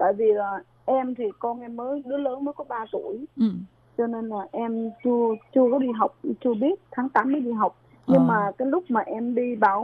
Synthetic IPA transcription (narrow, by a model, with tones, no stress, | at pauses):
t̪a̰ː˧˨jvi˨˩laː˨˩ | ʔɛ˧mt̪ʰi˨˩kɔ˧nʔɛ˧mːəː˨˦jɗɨ˨˦ələː˨˦nməː˨˦jkɔ˨˦ɓaː˧t̪u˧˩əj | t͡ɕɔ˧ne˧nlaː˨˩ʔɛ˧mt͡ɕɨ˧ət͡ɕɨ˧əkɔ˨˦ɗi˧ɦa˨˩wk͡p̚t͡ɕɨ˧əɓi˦˥ət̚t̪ʰaː˨˦ŋt̪aː˨˦mːəː˨˦jɗi˧˩ɦa˨˩wk͡p̚ | ɲɨ˧ŋmaː˨˩kaː˨˦jlʊ˦˥k͡p̚maː˨˩ʔɛ˧mɗi˧ɓaː˧˩w